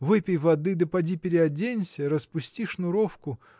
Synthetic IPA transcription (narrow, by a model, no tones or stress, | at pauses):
vɨpʲɪjvɐd̪ɨd̪əpɐdʲipʲɪɾʲɪɐdʲenʲsʲəɾəspʊsʲtʲiʂnʊɾofkʊ